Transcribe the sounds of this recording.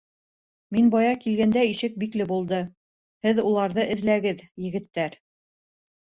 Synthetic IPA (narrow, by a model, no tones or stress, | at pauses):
minbɑjɑkilɡænd̪æiʃɘk̚biklɘbulˠd̪ɤ | hɘðulˠɑɾðɤʔɘ̆ðlæɡɘðjɘ̆ɡɘ̆t̪ːæɾ